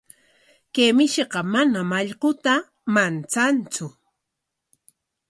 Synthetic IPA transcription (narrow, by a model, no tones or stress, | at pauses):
kemɪʃeqɑmanamaʎɢʊt̪a | mant͡sant͡sʊ